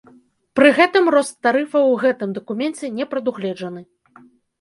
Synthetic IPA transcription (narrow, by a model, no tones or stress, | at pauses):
pɾɨɣɛt̪ɨmrɔst̪ːaɾɨfɐwɣɛt̪ɨmd̪ɐkumʲɛnt͡sʲɛnʲɛpɾɐd̪uɣlʲɛd͡ʐɐnɨ